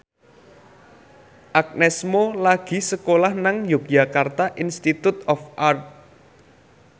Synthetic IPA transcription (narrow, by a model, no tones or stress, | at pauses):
ʔak̚nɛsmolaɡ̥i̤səkolahnaŋjok̚d͡ʒa̤kart̪aʔinst̪it̪ut̪ɔfʔart̪̚